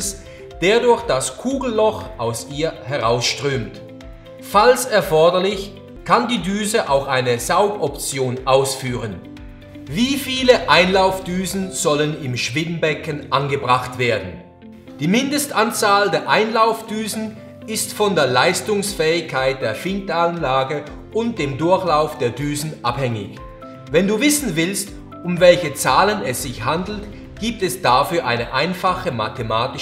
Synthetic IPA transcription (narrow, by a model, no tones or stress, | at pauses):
s | d̥eːɐdʊɐçd̥askʰuːɡl̩lɔxʔaʊsʔiːɐhɛʁaʊsʃtʁ̥øːmt | falsɛɐfɔɐdɐlɪç | kʰandiːdyːzəʔaʊxʔaɪnəzaʊɡɔpt͡sjoːnʔaʊsfyːʁ̞ən | viːfiːləʔaɪnlaʊfd̥yːzn̩z̥ɔlənɪmʃv̥ɪdn̩bɛkənʔanɡəbʁaχtv̥eːɐdn̩ | d̥iːmɪndəstʔant͡saːldeːɐʔaɪnlaʊfd̥yːzn̩ | ɪstfɔndeːɐlaɪstʊŋsfɛːɪçkʰːaɪt̚d̥eːɐfɪntanlaːɡə | ʔʊnt̚d̥eːmdʊɐçlaʊfd̥eːɐdyːzn̩ʔaphɛŋɪ̰ç | vɛnduːvɪsn̩vɪlst | ʊmvɛlçət͡saːlənɛsz̥ɪçhandl̩t | ɡ̥iːp̚tɛsd̥afyːɐʔaɪnəʔaɪnfaχəma̰tʰemaːtɪ